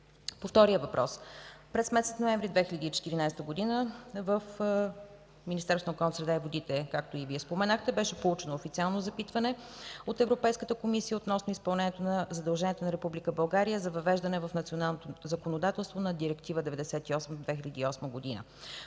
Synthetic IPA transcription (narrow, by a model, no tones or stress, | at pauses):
poft̪ɔɾijəvɐpɾʔɔ̰spɾɛsmɛt̪sɛt̪noɛ̃ɱvɾʲid̪vɛxilʲəd̪iːt͡ʃɛ̥t̪iɾinajst̪əɡod̪inəvəf | minist̪ɛɾsonokɔlˠnsɾɛd̪aivod̪it̪ɛkak̚t̪oiviɛspomɛnaxt̪ɛbɛʃɛpolˠut͡ʃɛnoːfit̪sialˠnozɐpit̪vɐnɛ | ot̪ɛvɾopɛjskət̪əkomisijəot̪nɔsnoispɐlˠnɛnijɛt̪onɐzɐd̪ɐlˠʒɛniɛt̪onɐɾɛpublikəbɐlˠɡaɾijəzɐvɐvɛʒd̪ɐnɛvəfnɐt̪sionalˠnot̪ozəkonod̪at̪ɛlˠst̪vonɐd̪iɾɛkt̪ivəd̪ɛvɛd̪ɛsɛt̪iɔsməd̪od̪vɛxilʲɐd̪iːɔsməɡod̪inə̰